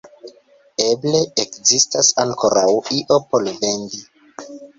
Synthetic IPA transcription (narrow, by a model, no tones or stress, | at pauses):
e̞ble̞ekzistasaŋko̞ɾawiʔo̞po̞lvendi